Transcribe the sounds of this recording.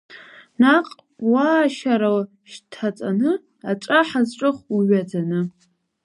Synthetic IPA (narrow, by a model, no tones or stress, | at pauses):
naqʼ | waːʃaɾal | ʃtʰat͡sʼanɨ | at͡ʃʷʼaħazʈ͡ʂʷʼɨχiɥad͡zanɨ